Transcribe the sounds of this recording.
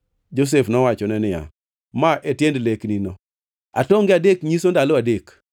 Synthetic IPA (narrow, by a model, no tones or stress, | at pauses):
d͡ʒos̬efnɔwat͡ʃɔnɛnɪja̰ | maʔetjendlekninɔ | a̰toŋɡɪadekɲisondaloadek